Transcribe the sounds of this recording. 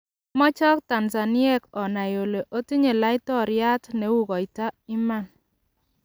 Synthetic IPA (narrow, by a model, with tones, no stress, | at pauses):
mɔ˦t͡ʃɔ˦k̚ta˨nsa˨ni˦ɛ˦˨kɔ˨na˨jo˨le˨ʔo˦ti˦ɲe˨la˦i˦tɔ˦ɾja˦tne˨˦wu˦kɔ˨i˨ta˦i˦ma˦˨n